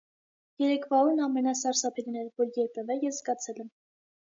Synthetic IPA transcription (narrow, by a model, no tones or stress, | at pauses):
jɛɾɛkʰvɑuɾnɑmɛnɑsɑɾsɑpʰɛɾinɛɾvɔɾjɛɾpʰɛvɛjɛsɡɑt͡sʰɛlɛm